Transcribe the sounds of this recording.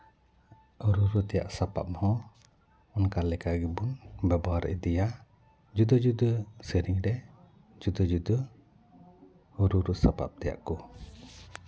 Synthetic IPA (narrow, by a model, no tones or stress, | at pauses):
uɾuɾut̪ija̰ʔsapa̰p̚mhɔ | ɔnkalɛkaɡibunbɛbɔaɾid̪ija | d͡ʒud̪əd͡ʒud̪əsəɾiŋdɛ | d͡ʒud̪ɔd͡ʒud̪ə | uɾuɾusapa̰p̚t̪ija̰ʔkɔ